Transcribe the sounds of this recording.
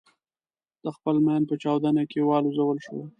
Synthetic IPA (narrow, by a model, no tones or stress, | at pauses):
d̪̥əxpəlmand̪̚pət͡ʃɑwd̪anakewɑluzawəlʃəwa